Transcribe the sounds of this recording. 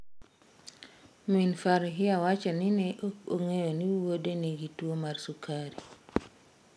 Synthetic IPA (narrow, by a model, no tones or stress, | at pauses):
minfaɾɦɪawat͡ʃaniniʔoŋejoniwodeniɡitwomarsukaɾi